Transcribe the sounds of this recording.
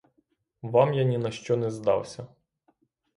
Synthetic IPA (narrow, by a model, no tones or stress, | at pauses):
ʋɑmjanʲinɐʃt͡ʃɔnɛzd̪ɑ̰wsʲɐ